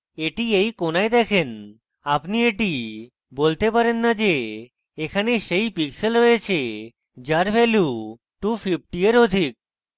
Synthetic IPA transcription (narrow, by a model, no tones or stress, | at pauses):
eʈiejkonajd̪ɛkʰen | apnieʈi | bolt̪epaɾenːad͡ʑeː | kʰaneʃejpikselɾoet͡ɕʰe | d͡ʑaɾbʱɛlju | ʈupʰip̚ʰʈieɾod̪ʱik̚